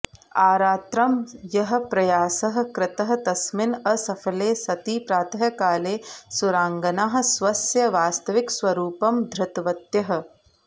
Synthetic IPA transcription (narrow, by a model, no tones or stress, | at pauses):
aːɾaːt̪ɾɐmjɐɦɐ̆pɾɐjaːsɐɦɐ̆kɾɪt̪ɐɦɐ̆t̪ɐsmɪnɐsɐfʰɐleːsɐt̪iːpɾaːt̪ʰɐjɐkaːleːsʊɾaːŋɡɐnaːɦɐ̆sʋɐsjɐʋaːst̪ɐʋɪkswɐɾuːpɐmd̪ʱɾɪt̪ʋɐt̪jɐɦɐ̆